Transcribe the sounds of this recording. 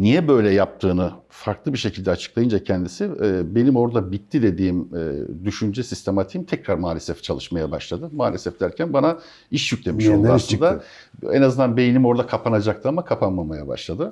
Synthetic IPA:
nijɛbø̞jlʲɛjap̚t̪ʰɯːnɯ | faɾklˠɯbiʃe̞cʰild̪ɛat͡ʃʰɯ̥klˠajɯnd͡ʒacʰɛnd̪isiɛːbe̞nimo̞ɾd̪abit̪ʰːid̪e̞d̪iːmɛ̰d̪yʃynd͡ʒɛsist̪ʰe̞mat̪ʰimt̪ʰɛcɾaɾmaːlʲesɛft͡ʃʰalˠɯʃmajabaʃlˠad̪ɯmaːlʲesɛfd̪æɾcʰænbana | iʃjyc̚lʲe̞miʃonaɯd̪a | ɛ̰nazɯnd̪anbe̞jinimo̞ɾd̪akʰapʰanad͡ʒak̚t̪ʰɯamakʰapʰanmamajaba̰ʃlˠad̪ɯ

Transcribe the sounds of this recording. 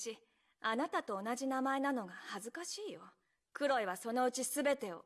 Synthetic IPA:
ɕi | anat̪at̪o̞ːnaʑinamae̞nano̞ɡahazɨkaɕiːjo̞ | kɯ̟ɾo̞iβaso̞no̞ɯ̟t͡ɕisɨbe̞t̪e̞o̰

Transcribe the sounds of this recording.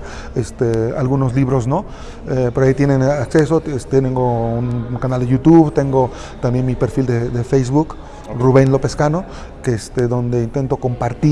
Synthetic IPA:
est̪ea̰lɣunos̬liβɾosno | epeɾoait̪jenẽnaksesoest̪et̪eŋɡounkanald̪ejut̪uβt̪eŋɡo | t̪ambje̞nmipeɾfild̪ed̪efejsβuk | ruβenlo̞peskano | keest̪eðo̞nd̪eint̪e̞nt̪o̞ko̞mpaɾt̪i

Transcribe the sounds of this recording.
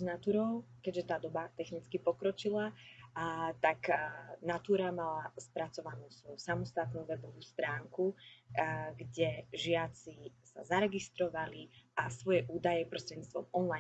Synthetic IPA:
znat̪uːɾɔʊkɛɟʒɛt̪aːd̪ɔbat̪ɛxnit͡skipɔkɾɔt͡ʃila | t̪aknat̪uːɾamalaspɾat͡sɔʋanuːsʋɔjusamɔst̪at̪nuːʋɛbɔʋuːst̪ɾaːŋku | ɡɟɛʒɪat͡sisa̰zaɾɛɡist̪ɾɔʋaliasʋɔjɛʔuːd̪ajɛpɾɔst̪ɾɛd̪ɲiːt͡sst̪ʋɔ̰mɔnla

